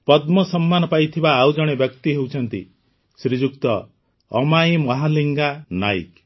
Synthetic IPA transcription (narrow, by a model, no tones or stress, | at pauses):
pɔd̪mɔsɔmːanɔpajt̪ʰibaːwd͡ʒɔɽ̃ebjɔkt̪iɦewt͡ʃʰɔnt̪ḭ | sɾid͡ʒukt̪ɔː | majmɔɦaliŋɡanaj̰k